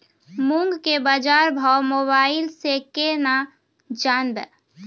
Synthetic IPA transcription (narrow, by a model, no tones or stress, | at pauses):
mũŋɡkebad͡ʒaɾbʱawmoːbaːɪlsekena | d͡ʒanbɛ̰